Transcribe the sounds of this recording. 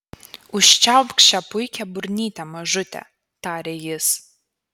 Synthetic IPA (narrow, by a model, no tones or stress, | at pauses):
ʊʃʲt͡ʃalpkʃʲɛpʊjkʲʰɛbʊrʲnʲiːt̪ʲɛmɐʒʊt̪ʲɛ̰ | taːɾʲejɪs